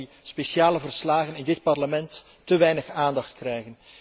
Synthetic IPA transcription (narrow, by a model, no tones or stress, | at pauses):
speʃaːləvərslaːɣənɪndɪt̚pɑrləmɛntː | əʋɛjnəxaːndɑxtkrɛjɣən